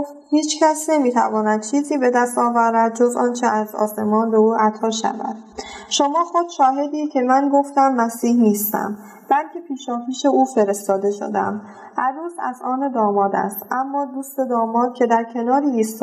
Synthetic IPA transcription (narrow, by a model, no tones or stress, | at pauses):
oft̪hiːt͡ʃcʰæsne̞miːt̪ʰæ̰vɒːnæd̪̥̚t͡ʃʰiːziːbe̞d̪æst̪ɒːvæːɾæd̪̚d͡ʒozɒːnt͡ʃʰeʔæzɒ̰ːse̞mɒːnbeuːʔæt̪ʰɒːʃæ̰væ̰d̪̥ʃomɒːxo̞d̪̥ʃɒːɦe̞d̪iːcʰe̞mænɡo̞ft̪æmːæsiːhniːst̪æ̰m | b̥ælcʰʲe̞pʰiːʃɒːfiːʃe̞ʔuːfe̞ɾe̞st̪ɒːd̪e̞ʃo̰d̪æ̰m | hæɾuːzæ̰zɒːned̪ɒːmɒːd̪æ̰st̪ʔæmːɒːd̪uːst̪e̞d̪ɒːmɒːd̪̥̚cʲʰe̞d̪æɾcʰe̞nɒːɾiːst̪ː